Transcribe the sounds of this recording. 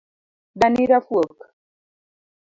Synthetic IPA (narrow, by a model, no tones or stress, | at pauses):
daniɾafwək